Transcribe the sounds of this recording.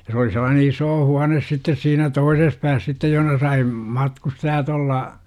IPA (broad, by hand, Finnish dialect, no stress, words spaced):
jɑ s oli selːɑːne isoː huɑnes sitːes siːnæ toises pæːs sitːej johə̆nɑ sɑi mɑtkustɑjɑt olːɑ